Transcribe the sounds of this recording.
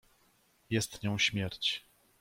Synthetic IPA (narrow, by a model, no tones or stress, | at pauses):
jɛst̪ɲɔ̃w̃ɕmʲjɛɾt͡ɕ